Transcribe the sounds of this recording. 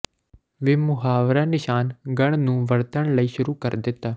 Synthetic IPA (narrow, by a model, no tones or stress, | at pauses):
ʋɪːmʊɦaːʋɾaːnɪʃaːnɡəɳ̃nũːʋəɾt̪əɳləiːʃʊɾuːkəɾd̪ɪt̪ːaː